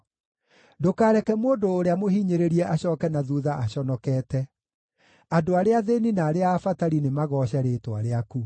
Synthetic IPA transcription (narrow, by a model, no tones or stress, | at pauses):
dokaːɾɛkɛmoːndoːɾeamohiːɲeɾeɾiɛʔaɕɔːkɛnaðuːðaʔaɕɔnɔkɛːtɛ | adoaɾeaðeninaːɾeaːfataɾinemaɣɔːɕɛɾeːtwa̰ɾeaku